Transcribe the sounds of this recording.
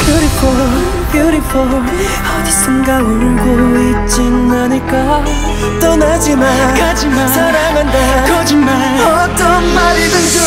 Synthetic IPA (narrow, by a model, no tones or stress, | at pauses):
pjoɾipʰo | pjuɾipʰo | ʌd͡ʑi̥sʰeŋɡaɡonɯnboit̚t͡ɕinnaɲik͈a | t̪͈ʌnad͡ʑimad͡ʑi | sʰaɾamanda | ma | ʌt͈ʌnmaɾidɯs